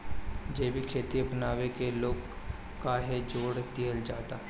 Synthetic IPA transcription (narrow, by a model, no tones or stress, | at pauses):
d͡ʒeːbʱikʰeːt̪iɐpnaːʋekeloːɡ | kaɦed͡ʒoːɽd̪ɪɦəld͡ʒaːt̪a